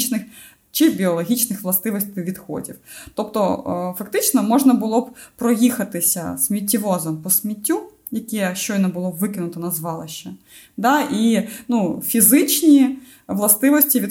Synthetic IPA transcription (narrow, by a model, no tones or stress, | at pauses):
t͡ʃnɪx | t͡ʃɪbʲiɔlˠɔɦʲit͡ʃnɪxʋlˠɐst̪ɪʋɔsʲt̪ɪʋʲid̪xɔ̰dʲḭwt̪ɔpt̪ɔfɐkt̪ɪt͡ʃnɔmɔʒnɐbʊlˠɔb̚pɾɔjixɐt̪ɪsʲɐ̰smʲit̬ʲːiʋɔzɔmpɔsʲmʲitʲːu | jɐkɛʃt͡ʃɔjnɛbʊlˠɔʋɪkɪnʊt̪ɔnɐzʋɑlˠɪʃɛ | d̪ɑinufʲizɪt͡ʃnʲi | ʋlˠɐst̪ɪʋɔsʲtʲiʋʲi